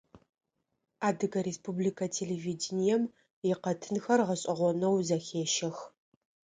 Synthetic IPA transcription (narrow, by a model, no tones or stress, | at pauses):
aːdɨɡɐɾespublikʰɐtʰeːleviːdɪnijɛm | jɪqɐtʰɨnxɐrʁɐɕʼɐʁʷɔnɐwzɐxeːʃɐx